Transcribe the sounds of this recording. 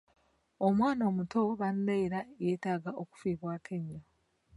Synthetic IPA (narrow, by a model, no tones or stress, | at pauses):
omwaːno̞ːmutʰoβandaiɾajeːtaːɡaʔoku̥fiːβwaːkʰeɲːo